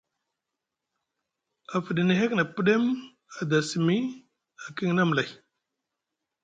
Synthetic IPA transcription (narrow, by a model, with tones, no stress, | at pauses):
a˨fi˨ɗi˨ni˨ɦe˦kna˨pi˦ɗe˦m | a˨da˨si˨mi˦ | a˨ki˦ŋna˦m˨la˨j